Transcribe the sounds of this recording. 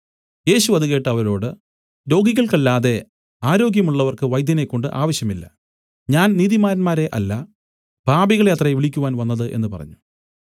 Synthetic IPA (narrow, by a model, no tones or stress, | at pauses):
je̞ːɕuʋɐðuɣe̞ːʈːɨɐʋɐɾo̞ːɽɨ | lo̞ːɡikʲːɐɭkɐlːaːðe̞ | aːɾo̞ːɡjɐmuɭːɐʋɐrkɨʋɐjd̪ʱjɐne̞kːo̞ɳɖɨʔaːʋɐɕjɐmilːɐ̰ | ɲaːnniːðimaːɾɐnmaːɾe̞ʔɐlːɐ | b̥ʱaːbiɣɐɭeɐt̪rɐʋiɭikʲːuʋaːnʋɐnːɐðɨʔe̞̰nːɨpɐrɐ̰ɲːu̥